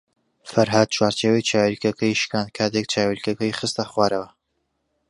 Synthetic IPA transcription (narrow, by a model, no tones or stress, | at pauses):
fɐɾɦad̪̚t͡ʃʰwaːɾt͡ʃeːwɐjt͡ʃʰaːwelkɐkʰɐjʃkaːnkʰaːt̪ek̚t͡ʃʰaːwelkɐkɐjχɨst̪ɐχwaːɾɐwɐ